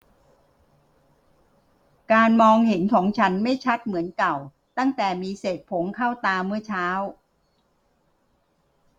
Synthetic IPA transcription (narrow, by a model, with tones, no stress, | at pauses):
kaː˧nmɔː˧ŋhe˩˦nkʰɔː˩˦ŋt͡ɕʰa˦˥nma˥˩jt͡ɕʰa˦˥t̪̚mɯ˩˦ənka˨˩w | t̪a˥˩ŋt̪ɛː˨˩miː˧seː˨˩t̪̚pʰo˩˦ŋkʰa˥˩wt̪aː˧mɯ˥˩ɐt͡ɕʰaː˦˥w